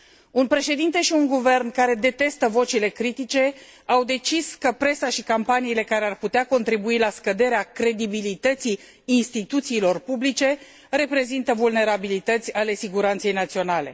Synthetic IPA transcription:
unpɾe̞ʃe̞d̪int̪e̞ʃiuŋɡuve̞rnkaɾe̞d̪e̞t̪e̞st̪əvo̞t͡ʃile̞kɾit̪it͡ʃe̞awd̪e̞t͡ʃiskəpɾe̞saʃikampaniːle̞kaɾearput̪eako̞nt̪ɾibuilaskəd̪e̞ɾeakɾe̞d̪ibilit̪ət̪siː | nst̪it̪ut̪siːlo̞rpublit͡ʃe̞ | re̞pɾe̞zint̪əvulne̞ɾabilit̪ət̪sʲale̞siɡuɾant̪se̞jnat̪sio̞nale̞̰

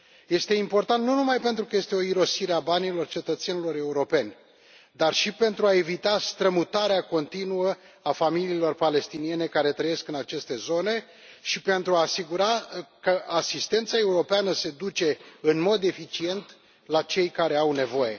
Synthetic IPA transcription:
je̞st̪e̞impo̞rt̪ant̪nunumajpe̞nt̪ɾukəje̞st̪e̞o̞iɾo̞siɾeabanilo̞rt͡ʃe̞t̪ət̪se̞nilo̞ɾe̞uɾo̞pe̞nʲ | d̪arʃipe̞nt̪ɾuae̞vit̪ast̪ɾəmut̪aɾeako̞nt̪inuə | afamiliːlo̞rpale̞st̪inie̞ne̞kaɾe̞t̪ɾəje̞skɨnat͡ʃe̞st̪e̞zo̞ne̞ | ʃipe̞nt̪ɾuaːsiɡuɾakəʔasist̪e̞nt̪sae̞uɾo̞peanəse̞d̪ut͡ʃe̞ɨnmo̞d̪e̞fit͡ʃie̞nt̪ | lat͡ʃe̞jkaɾe̞awne̞vo̞je̞̰

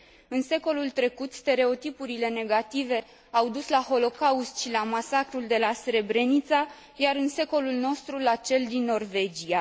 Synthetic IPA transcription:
ɨnse̞ko̞lult̪ɾe̞kut̪st̪e̞ɾe̞o̞t̪ipuɾile̞ne̞ɡat̪ive̞ | awd̪uslaho̞lo̞kaust̪ʃilamasakɾuld̪e̞lasɾe̞bɾe̞nit̪sa | jaɾɨnse̞ko̞lulno̞st̪ɾulat͡ʃe̞ld̪inːo̞rve̞d͡ʒia

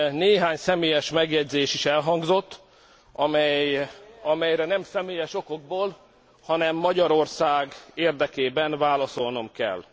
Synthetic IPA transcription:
neːɦaːɲsɛmeːjɛʃmɛɡjɛɟzeːʃiʃɛlɦɒŋɡzo̞t̪ː | ɒmɛjɒmɛjɾɛnɛmsɛmeːjɛʃo̞ko̞ɡ̚boːl | hɒnɛmːɒɟɒɾo̞rsaːɡeːrd̪ɛkeːbɛnvaːlɒso̞lno̞mkɛ̰l

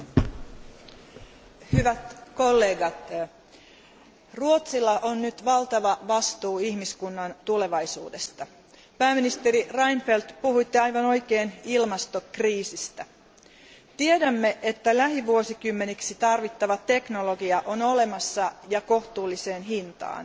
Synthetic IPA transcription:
hyʋæt̪ko̞lːe̞ːɡɑt̪ | ruo̞t̪silːɑʔonnyt̪ʋɑlt̪ɑʋɑʋɑst̪uːihmiskunːɑnt̪ule̞ʋɑjsṵːdest̪ɑ | pæːmːinist̪e̞ɾirɑjnfelt̪puhuit̪ːeɑjʋɑno̞jkeːnilmɑst̪o̞kriːsist̪æ | t̪iedæmːe̞ʔet̪ːælæɦiʋuosikymːe̞niksit̪ɑrʋit̪ːɑʋɑt̪e̞knoloɡiɑʔono̞le̞mɑsːɑjɑko̞ht̪uːlːise̞ːnɦint̪ɑ̰ːn

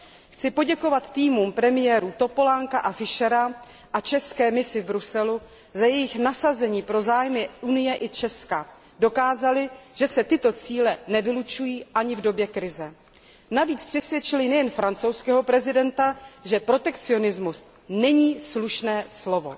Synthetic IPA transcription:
xt͡sɪpo̞ɟɛko̞vat̪ːiːmuːmpɾɛmɪjɛːɾut̪o̞po̞laŋkaʔafɪʃɛɾa | ʔat͡ʃɛskɛːmɪsɪvbɾusɛlu | zajɛjɪxnasazɛɲiːpɾo̞zaːjmɪunɪjɛʔɪt͡ʃɛska | do̞kaːzalɪʒ̥ɛsɛt̪ɪt̪o̞t͡siːlɛnɛvɪlut͡ʃujiːʔaɲɪvdo̞bjɛkɾɪzɛ | naviːt͡spr̥ɛsvjɛt͡ʃɪlɪnɛjɛnfɾant͡so̞wskɛːɦo̞pɾɛzɪdɛnt̪aʒɛpɾo̞t̪ɛkt͡sɪo̞nɪzmus | nɛɲiːsluʃnɛːslo̞vo̞̰

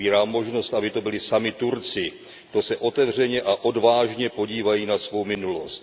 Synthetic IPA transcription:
iːɾaːmːo̞ʒno̞st̪abɪt̪o̞bɪlɪsamɪt̪uɾt͡sɪ | t̪o̞sɛʔo̞t̪ɛvr̝ɛɲɛʔaʔo̞dvaːʒɲɛpo̞ɟiːvajiːnasvo̞wmɪnulo̞st̪

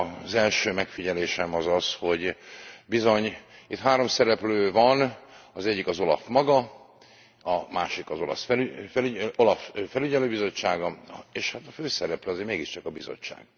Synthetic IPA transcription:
zɛlʃøːmɛkfiɟɛleːʃɛmɒzɒsho̞ɟbizo̞ɲit̪ɦaːɾo̞msɛɾɛpløːvɒnɒzɛɟːikɒzo̞lɒ̰fmɒɡɒ | ɒmaːʃikɒzo̞lɒ̰sfɛfɛolɒffɛlyɟɛløːbizo̞t͡ʃːaːɡɒeːʃhat̪ɒføːsɛɾɛpløɒzeːɾmeːɡiʃt͡ʃɒkɒbizo̰t͡ʃːa̰ːɡ̥

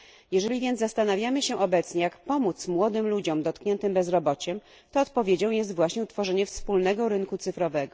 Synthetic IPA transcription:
jɛʐɛlʲivʲjɛnd̪zast̪anavʲjamɘɕɛʔɔbɛt̪sɲɛjakpɔmut̪smwɔd̪ɘmlud͡ʑɔmd̪ɔt̪kɲɛnt̪ɘmbɛzɾɔbɔt͡ɕɛm | t̪ɔːt̪̚pɔvʲjed͡ʑɔ̃w̃jɛs̬t̪vwaɕɲɛut̪fɔʐɛɲɛfspulnɛɡɔɾɘnkut̪sɘfɾɔvɛɡɔ

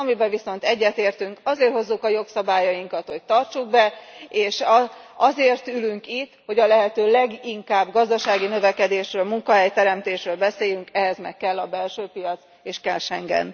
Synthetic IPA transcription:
ɒmibɛviso̞n̪t̪ɛɟːɛt̪eːrt̪yŋkɒzeːrho̞zːukɒjo̞ksɒbaːjɒjiŋkɒt̪ho̞c̚t̪ɒrt͡ʃuɡ̚bɛeːʃɒzeːrt̪ylyŋkit̪ːho̞ɟɒlɛɦɛt̪øːlɛɡiŋkaːbɡɒzd̪ɒʃaːɡinø̞vɛkɛd̪eːʃrøːlmuŋkɒɦɛjt̪ɛɾɛmt̪eːʃrøːlbɛseːjyŋkɛɦɛzmɛ̰kːɛlːɒbɛlʃøːpijɒt̪s | eːʃkɛlʃɛŋɡɛ̰n

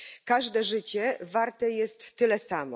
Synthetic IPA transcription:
kaʐd̪ɛʐɘt͡ɕɛvaɾt̪ɛjɛst̪ːɘlɛsamɔ

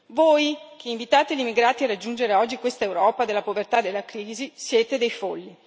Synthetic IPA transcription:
voːjk̟ʰeiɱvit̪aːt̪eʎimːiɡɾaːt̪iarːad͡ʒːund͡ʒeɾeɔd͡ʒːikwest̪aewɾɔːpad̪elːapovert̪ad̪elːakɾiːzisjɛːt̪ed̪ejfolːi

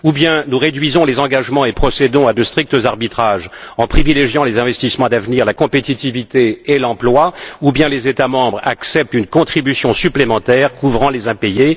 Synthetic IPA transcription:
ubjɛ̃nuʁed̪ɥizɔ̃lezɑ̃ɡaʒmɑ̃epχɔsed̪ɔ̃ad̪əst̪χik̚t̪əzaʁbit̪χaʒɑ̃pχivileʒjɑ̃lezɛ̃vɛst̪ismɑ̃d̪avniʁlakɔ̃pet̪it̪ivit̪eːlɑ̃plwaubjɛ̃lezet̪amɑ̃bʁaksɛp̚t̪ynkɔ̃t̪χibysjɔ̃syplemɑ̃t̪ɛːʁkuvʁɑ̃lezɛ̃peje

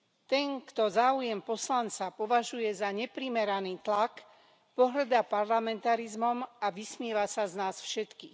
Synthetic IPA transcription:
t̪ɛŋkt̪ɔzaːujɛmpɔslant͡sapɔʋaʒujɛzaɲɛpɾimɛɾaniːt̪lak | pɔɦr̩d̪apaɾlamɛnt̪aɾizmɔmaʋismɪɛʋasaznaːsfʃɛt̪kiːx

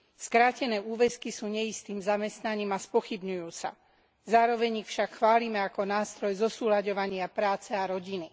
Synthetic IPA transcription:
skɾaːcɛnɛːuːʋɛskisuːɲɛjist̪iːmzamɛst̪naɲiːmaspɔxibɲujuːsa̰ | zaːɾɔʋɛɲixfʃakxʋaːlimɛakɔnaːst̪ɾɔjzɔsuːlaɟɔʋaɲɪapɾaːt͡sɛaɾɔɟini

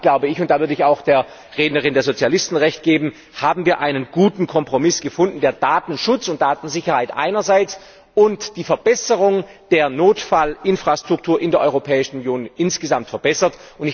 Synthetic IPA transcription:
ɡ̥laʊbəɪçʊnt̚d̥aːvʏɐdəɪçaʊxd̥eːɐ | ʁeːdnəʁɪndeːɐzot͡sjalɪstn̩ʁɛçt̚ɡ̥eːbm̩ | haːbm̩viːɐʔaɪnənɡuːtn̩kʰɔmpʁ̥omɪsɡ̥əfʊndn̩deːɐd̥aːtn̩ʃʊt͡sʊnt̚d̥aːtn̩zɪçɐhaɪtʔa̰ɪnɐzaɪt͡s | ʊntd̥iːfɛɐbɛsəʁʊŋd̥eːɐnoːtfalʔɪnfʁ̥aːstʁ̥ʊk̚tʰuːɐʔɪndeːɐʔɔʏʁopʰɛːɪʃn̩unjoːnʔɪnsɡ̥əzamtfɛɐbɛsɐtʊnɪ

